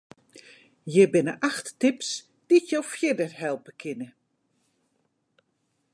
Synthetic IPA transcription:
jɪbɪnəʔaxtːɪps | d̥itjowfjɪdərɦɛlˠpəkʰɪnə

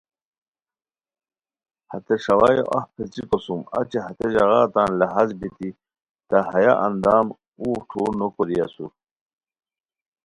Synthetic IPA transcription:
hɐt̪eʂɐwajo̰ʔɐhpʰet͡siqosumɐ̰t͡ɕeɦɐt̪eʑɐɣaːt̪aːnlɐɦazbit̪i | t̪aɦɐjaʔɐnd̪aːm | uːʈʰuːɾnokoɾijɐsu

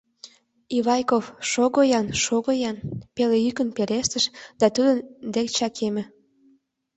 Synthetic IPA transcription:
iβɑjkofʃoɣojɑnʃoɣojɑnpelejykənpeɾeʃt̪əʃd̪̥ɑt̪ud̪ənd̪ekt͡ɕɑkʰemĕ

